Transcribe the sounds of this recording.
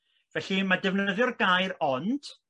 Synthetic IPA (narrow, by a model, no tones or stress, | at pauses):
vɛɬimadɛvnəðjɔrɡajɾɔnd̥